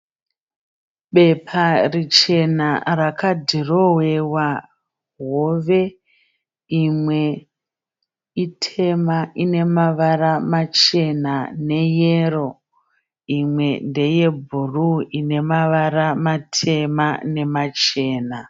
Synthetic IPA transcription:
ɓe̞pʰarit͡ʃe̞narakadʱiro̞wewa | ɦoʋe | imwe̞ | itʰe̞maʔine̞maʋaramat͡ʃe̞nane̞jero̞ | imwe̞nde̞je̞bʱuruine̞maʋaɾamatʰe̞mane̞mat͡ʃe̞ːna

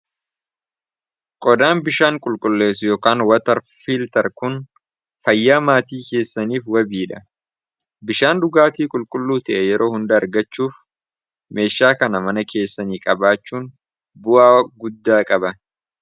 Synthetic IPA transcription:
kʼɔd̪aːnbɪʃaːŋkʼʊlkʼʊlːe̞ːsjoːkaːnwɐt̪ɐɾ | filt̪ɐɾkʊn | fɐjːaːmaːt̪iːke̞ːsːɐniːfwɐbiːᶑɐ | bɪʃaːnd̪ʊɡaːt̪iːkʼʊlkʼʊlːuːt̪ɐʔɛjɛɾʔo̞ːhʊnd̪ɐɐɾɡɐt͡ʃːuːf | me̞ːʃːaːkɐnɐmɐnɐkʰe̞ːsːɐniːkʼɐbaːt͡ʃːuːn | bʊʔaːɡʊd̪ːaːkʼɐbɐ

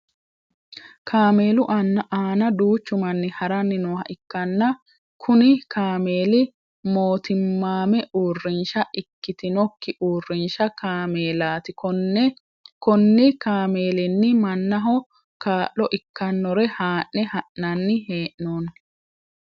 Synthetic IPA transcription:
kʰaːmeːlʊʔɐnːɐʔaːnɐd̪uːt͡ʃːʊmɐnːɪhɐɾɐnːɪnɔːhɐ̰ʔɪkːɐnːɐ | kʰʊnɪkaːmeːlɪ | moːt̪ʰɪmːaːmɛʔuːrːɪnʃɐʔɪkːɪt̪ɪnɔkːɪʔuːrːɪnʃɐkaːmeːlaːt̪ɪ | kɔnːɪkaːme̞ːlɪnːɪmɐnːɐɦɔ | kaːʔlɔʔɪkːɐnːɔɾɛhaːʔːɛhɐʔːɐnːɪheːʔnoːn

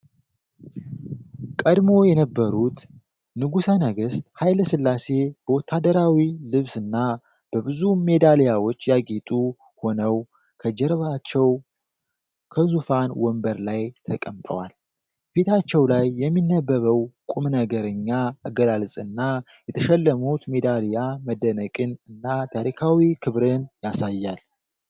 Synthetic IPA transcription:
kʼəd̪mo̞jɛnəbːəɾut̪ | nɨɡusənəɡɨst̪̚ʼhajləsɨlːase̞b̥əwɔt̪ʰːad̪əɾawilɨβsɨnːa | b̥əβɨzume̞d̪alijawo̞t͡ʃːjaɡʼit̪ʼu | ho̞nəw | kʰəd͡ʒɛɾβat͡ʃːɛw | kʰəzufanwɔmbəɾlajt̪ʰəkʼəmt̪ʼə̰wal | bet̪ʰat͡ʃːɛwlajːɛmːinːəbːəβəwkʼumnəɡəɾəɲːaaɡəlalsʼɨnːa | jɛt̪ʰəʃɛlːəmut̪me̞d̪alijaməd̪ənəkʼɨnɨnːat̪ʰaɾikʰawikʰɨβɾɨnjasajːal

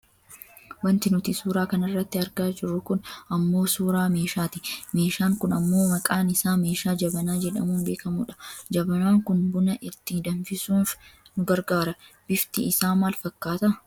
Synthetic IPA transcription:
wɐnt̪ɪnʊt̪ɪsuːɾaːkɐnɪrːɐt̪ːɪɐɾɡaːd͡ʒɪrːʊkʊnɐmːo̞ːsuːɾaːme̞ːʃaːt̪ɪme̞ːʃaːŋkʊnɐmːo̞ːmɐkʼaːnɪsaːme̞ːʃaːd͡ʒɐbɐnaːd͡ʒɛᶑɐmuːnbe̞ːkɐmuːᶑɐ̥d͡ʒɐbɐnaːŋkʊnbʊnɐʔɪt̪ːɪd̪ɐnfɪsuːnfnʊɡɐɾɡaːɾɐb̥ɪft̪ɪɪsaːmaːlfɐkːaːt̪ɐ

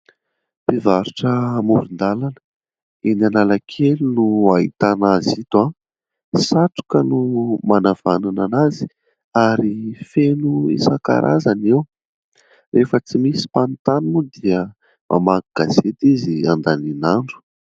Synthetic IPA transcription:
pivaɾuʈ͡ʂəmuɾind̪alanə̥ | inanalakʰelunuait̪anazit̪a | saʈ͡ʂu̥kənumanav̥anananazi̥ | aɾifenuḭsaka̰ɾʔa̰zanew | rʔefət͡simisi̥pant̪anunud̪iə | mʔa̰maɡɡ̥az̥et̪iziand̪aninaɳɖ͡ʐu̥

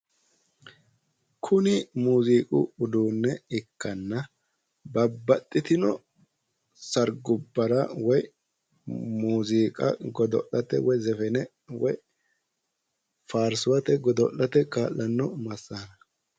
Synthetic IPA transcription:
kʰʊnɪmuːziːkʼʊ̰ʊd̪uːnːɛɪkːɐnːɐ | bɐbːɐt̪ʼːɪt̪ɪnɔ | sɐɾɡʊbːɐɾɐwɔj | muːziːkʼɐ̰ɡɔd̪ɔ̰ʔːɐt̪ɛ̰wɔjzɛfɛnɛ | wɔ̰j | faːɾsʊwɐt̪ɛɡɔd̪ɔ̰ʔːɐt̪ɛkaːlːɐnːɔmɐsːaːnɐ

